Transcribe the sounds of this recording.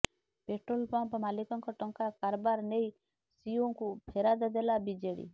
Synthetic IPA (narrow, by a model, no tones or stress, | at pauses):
peʈɾolpɔmpmalikɔŋkɔʈɔŋkakaɾbaɾnej | sioŋkupʰeɾad̪ɔd̪elabid͡ʒeɽḭ